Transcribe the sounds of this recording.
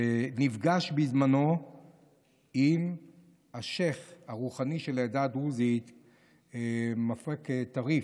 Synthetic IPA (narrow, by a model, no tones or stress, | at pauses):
nivɡaʃbizmano̞ | im | haʃeχhaʁuχaniʃeledad̪ʁuzit̪ | mafʁeket̪aʁi